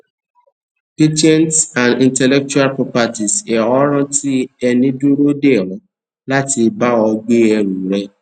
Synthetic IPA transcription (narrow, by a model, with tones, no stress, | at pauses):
ti˦t͡ʃɛ̃˦ntsã˨ndĩ˨ntɛ˨lɛ˦k̚t͡ʃu˦a˦lpɔ˦pa˧ti˨sɛ˨ɔ˦ɾɔ̃˦tʰi˦ɛ˧nĩ˦du˦ɾo˦de˦˨ɾɔ̃˨˦ | la˦ti˧ba˦ɔ˧ɡ͡be˦ɛ˧ɾu˨ɾɛ˦